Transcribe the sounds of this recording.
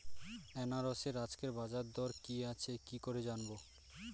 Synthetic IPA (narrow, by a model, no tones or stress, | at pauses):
ɛnaɾɔseɾad͡ʑkeɾbad͡ʑaɾd̪ɔɾkiat͡ɕʰekikoɾed͡ʑanbo